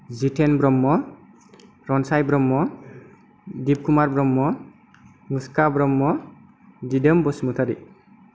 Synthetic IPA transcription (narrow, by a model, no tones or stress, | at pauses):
zitʰenbɾɔmːɔ | ɾɔnsajbɾɔmːɔ | dib̚kumaɾbɾɔmːɔ | ŋuskabɾɔmːɔ | didəmbɔsmutʰaɾḭ